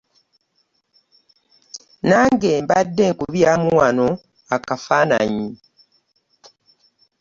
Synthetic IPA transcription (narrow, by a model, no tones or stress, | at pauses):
naːŋɡe̞ːmbadːe̞ŋkuβjaːmuwano̞ | akafaːna̰ɲi